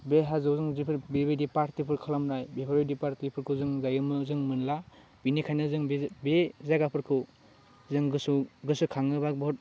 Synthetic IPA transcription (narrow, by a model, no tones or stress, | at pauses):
beɦazɯwzɯŋzipʰɯɾbebedipaɾtipʰɯɾkʰalamnajbepʰabedipaɾtipʰɯɾkʰɯzɯŋɡajɯmɯzɯŋmɯnla | binikʰajnɯzɯŋbbezaɡapʰɯɾkʰɯw | zɯŋɡɯsuɡɯsɯkʰaŋɯbak̚bɔɔt̚